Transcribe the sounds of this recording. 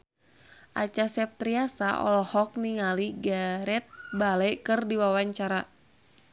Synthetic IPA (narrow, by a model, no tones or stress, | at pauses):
ʔa̰t͡ʃasɛp̚t̪ɾiasaʔɔ̰lɔhɔk̚niŋaliɡaɾɛt̪̚balɛkɨrdiwawaɲt͡ʃaɾa